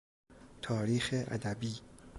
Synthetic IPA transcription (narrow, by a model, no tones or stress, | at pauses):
t̪ʰɒːɾiːxeʔæ̰d̪æbiː